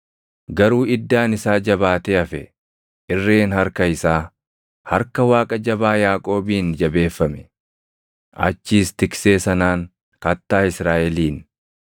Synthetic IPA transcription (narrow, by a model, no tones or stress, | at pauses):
ɡɐɾuːɪd̪ːaːnɪsaːd͡ʒɐβaːt̪eːɐfɛ̰ | ʔɪrːeːnhɐɾkɐɪsaː | hɐɾkɐwaːkʼɐd͡ʒɐbaːjaːkʼo̞ːbiːnd͡ʒɐbe̞ːfːɐmɛ̥ | ʔɐ̰t͡ʃːiːst̪ɪkse̞ːsɐnaːŋ | kɐt̪ːaːɪsɾaːʔɛliːn